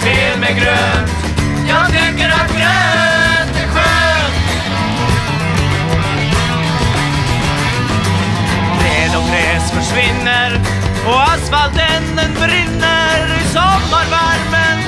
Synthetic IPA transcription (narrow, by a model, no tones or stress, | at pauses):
veɾmɛɡɾøt̪ | jɑːɡt̪ʰɪkːəɾat̪ɡɛ | ɧø | ɾɛːd̪ɔɡɾɛːsfœʂvɪnːəɾ | ɔasfalt̪ɛnːənbɾɪnːəɾɪsɔmːaɾvæɾmən